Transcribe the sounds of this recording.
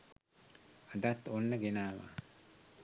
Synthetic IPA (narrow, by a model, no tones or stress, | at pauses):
ad̪at̪ːonːəɡenaːʋa̰